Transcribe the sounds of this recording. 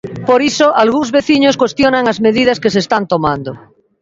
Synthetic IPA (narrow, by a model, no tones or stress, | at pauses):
poɾisoʔalɣuŋzβeθiɲoskwest̪jonaŋazmeðið̞askeseːst̪ant̪omãnd̪o